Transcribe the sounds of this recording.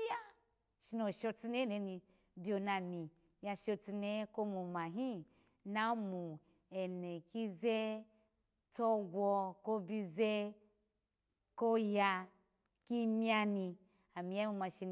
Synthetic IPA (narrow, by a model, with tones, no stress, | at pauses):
ja˦ | ʃi˧no˨ʃɔ˧ti˧ne˦ne˨˦ni˧ | bʲo˧na˨mi˨ | ja˧ʃo˧ti˧ne˦ko˦mu˨ma˨ɦi˦ | na˦mu˨ | ɛ˨ne˨ki˦zɛ˦ | tɔ˦ɡwɔ˧ko˦bi˧zɛ˦ | ko˦ja˧ | ki˦mi˦a˧ni˧ | a˨mi˨ja˦mu˧ma˧ʃi˧n